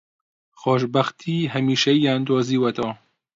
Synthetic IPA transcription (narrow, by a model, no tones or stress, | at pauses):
xoːʃbɐxt̪ʰiːɦɛmiːʃɛijɑːnd̪oːziːwɐt̪ɔː